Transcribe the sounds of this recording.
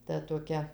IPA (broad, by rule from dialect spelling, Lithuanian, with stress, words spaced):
ˈtɐ toːˈkʲɛ